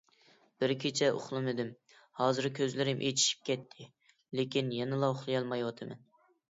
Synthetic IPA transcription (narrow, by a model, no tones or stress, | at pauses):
b̥ɪɾkʲʰet͡ʃʰɛʔo̰χlˠɨmɪd̪ɪm | hɑːzɨɾkʲʰøzlɪɾɪmʔet̪ʰi̥ʃi̥p̚kʲʰɛt̪ʰːɪ | lekʲinjɛnɨlˠɑʊχlˠɨjɑlˠmɑjwɑt̪ʰɨmɛ̰n